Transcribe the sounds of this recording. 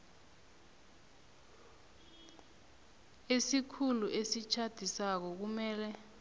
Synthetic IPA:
esikʰuluʔesit͡ʃʰad̥ʱisak̬ɔk̬umɛːlɛ

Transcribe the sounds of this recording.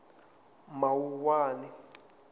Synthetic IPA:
mawuwaːni

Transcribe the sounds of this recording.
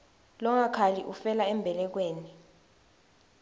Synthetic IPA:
lɔŋakʰaliʔufɛlaɛmbʱɛlɛk̬weːni

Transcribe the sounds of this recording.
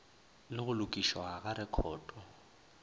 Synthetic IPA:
lɪɣʊlʊkʼiʃwaɣaɾɪkʰɔːtʼɔ

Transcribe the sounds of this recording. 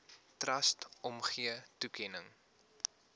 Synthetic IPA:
trɐstɔmχiətukʰɛnəŋ

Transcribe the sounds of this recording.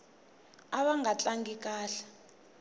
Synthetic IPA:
aɓaŋɡat͡ɬʼaŋɡik̬ʼaːɬḁ

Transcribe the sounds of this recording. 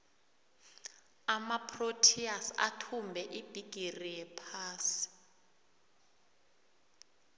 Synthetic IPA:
amapʰrotʰiasa̰tʰumbʱɛʔib̥ʱiɡ̥ʱirijɛpʰaːsi̥

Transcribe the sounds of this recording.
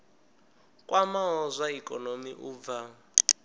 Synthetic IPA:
kʼwʔamaɦɔzʷaikʼɔnomiʔub̪va

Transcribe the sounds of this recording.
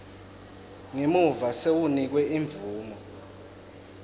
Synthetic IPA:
ŋemuvasewunik̬wɛiɱb̪vuːmɔ

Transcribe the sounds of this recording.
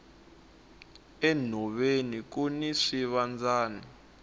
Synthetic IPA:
ɛn̤ɔɓenik̬uniʂiβand͡zaːni

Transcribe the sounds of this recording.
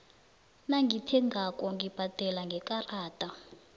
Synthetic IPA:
naŋɡʱitʰɛŋɡakʼɔŋɡʱib̥ʱad̥ʱɛlaŋɡʱɛkʼaraːtʼa

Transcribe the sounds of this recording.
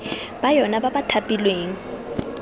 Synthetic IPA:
b̥ajɔnababatʰapʼilweːŋ̩

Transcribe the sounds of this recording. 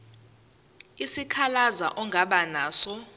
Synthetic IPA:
isikʰalazaʔɔŋɡʱaɓanaːsɔ

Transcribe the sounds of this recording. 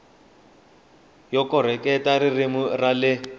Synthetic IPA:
jɔkɔɾ̤ɛkɛtariremʊralɪ

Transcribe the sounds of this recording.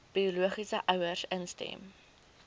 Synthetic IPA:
b̥ioluəχisəʔœwərsənstɛ̰m

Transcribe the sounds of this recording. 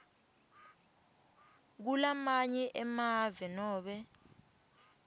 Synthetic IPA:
k̬ulamaɲɛʔɛmavɛnɔːɓɛ

